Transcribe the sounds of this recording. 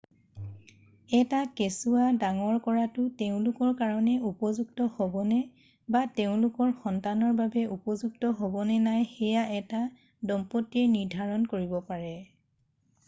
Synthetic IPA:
ɛtakesuadaŋɔɹkɔɹatʊteʊ̃lʊkɔɹkaɹɔnɛupɔzuɡtɔhobɔnɛ | bateʊ̃lʊkɔɹxɔntanɔɹbabɛʔupɔzuktɔɦobɔnɛnajxɛjaʔɛta | dɔmpɔtiɛniɹdʱaɹɔnkoɹibɔpaɹɛ

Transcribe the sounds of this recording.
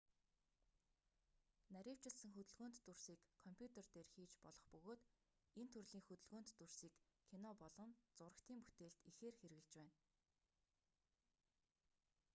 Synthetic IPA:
næɾʲiːw̥t͡ɕɪ̆ɮsə̆ŋxɵt̪ɵ̆ɮɣoːnt̪ːursiːkʰːɔmpʰʲjut̪ert̪eːrxiːt͡ɕpɔɮɞ̆χpɵɣoːt̪ | ent̪ʰɵrɮiːŋxɵt̪ɵ̆ɮɣoːnt̪ːur̥siːkʰːinɔpɔɮɞ̆mt͡sʊɾə̆kt̪ʰiːŋpu̥t̪eːɮt̪ixeːrxeɾɣɘ̆ɮt͡ɕpæːn

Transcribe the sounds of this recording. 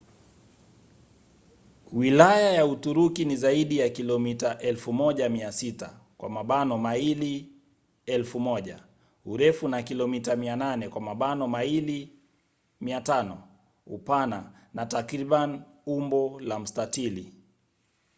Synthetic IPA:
wilajajautuɾukinizaiɗijakilɔmitaʔɛlfumɔʄamiasita | kwʔa̰maɓanɔmaili | ɛlfumɔʄa | uɾɛfunakilɔmitamiananɛkwamaɓanɔmaili | miatanɔ | ṵpana | natakɾiɓani | umbɔlam̩statili

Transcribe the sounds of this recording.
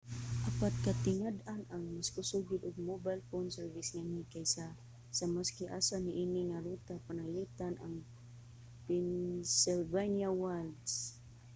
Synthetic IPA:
ʔapat̪̚kat̪ɪŋad̪anʔaŋmaskʊsuɡɪd̪ʊɡ̚mobajlfonsɛɹvɪsŋanikajsa | samaskɪʔaːsanɪʔiːnɪŋaɾut̪apanalit̪anʔaŋ | pɛnsɪlvanjawald̪s

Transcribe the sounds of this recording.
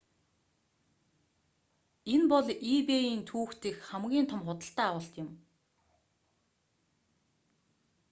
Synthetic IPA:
enpɔɮipeiːnt̪ʰuːxt̪ĭxχæmɡʲiːnt̪ʰɔ̆mχʊt̪ə̆ɬt̪æːawə̆ːɬt̪jʊ̆m

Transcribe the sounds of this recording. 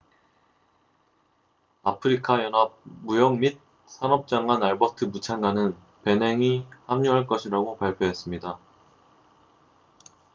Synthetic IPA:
apʰɯɾikʰajʌnab̚mujʌŋmit̚ | s͈ʰanʌp̚t͡ɕ͈aŋanaɭbatʰɯmut͡ɕʰanɡanɯn | pe̞ne̞ŋihamɲuɦaɭk͈ʌɕʰiɾaɡopaɭpʰjoɦe̞s͈ɯmɲida

